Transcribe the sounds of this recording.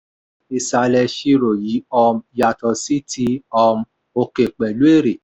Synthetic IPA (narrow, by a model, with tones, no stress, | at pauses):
i˧sa˧lɛ˧ʃi˧ɾo˨ji˨˦ɔ˧mja˧tɔ˧si˦tʰi˧ɔ˧m | o˧ke˨k͡pɛ˨lu˨˦e˦˨ɾe˨